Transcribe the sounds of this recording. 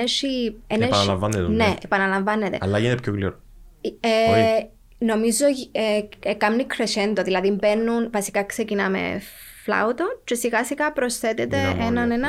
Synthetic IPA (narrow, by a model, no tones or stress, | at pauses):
eʃieneɐnɐlɐvɐnːet̪neepɐnɐlɐɱvɐnːet̪e̞̰ɐ̰lɐjinet̪epçoklḭɾo | e | no̞mizoeekɐmnikɾesend̪oðilɐðimbenːunvɐsi̥kɐksecinɐmḛ | flɐ̰ut̪ot͡ʃesiɣɐsikɐpɾo̞sθet̪et̪e̞ʔenɐnenɐ